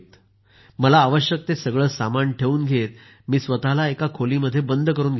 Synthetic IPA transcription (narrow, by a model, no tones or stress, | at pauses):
t̪ | məlaːʋəɕjək̚t̪esəɡɭəːsamaɳʈʰeʋuːnɡʱet̪̚ | miːsʋət̪alaekakʰoliːməd̪ʱːjebənd̪ʱəkəɾuːnɡʱe